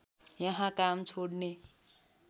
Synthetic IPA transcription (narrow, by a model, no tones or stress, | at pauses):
jʌɦãkamt͡sʰoɽne